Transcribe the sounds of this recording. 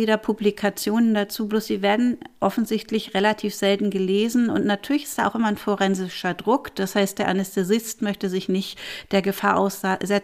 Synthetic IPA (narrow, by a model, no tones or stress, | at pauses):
iːdɐpʰublikʰat͡sjoːnəndat͡suːbloːsz̥iːveːɐdn̩ʔɔfn̩zɪçtlɪçʁelatʰiːfz̥ɛltn̩ɡəleːzn̩ʊ̰ntnatʰyːɐlɪçɪ̥std̥aːʔaʊxʔɪmɐnfoʁɛnzɪʃɐdʁʊkd̥ashaɪstd̥eːɐʔanɛstʰɛzɪstmœçtəzɪçnɪçtd̥eːɐɡəfaːɐʔa̰ʊszɛ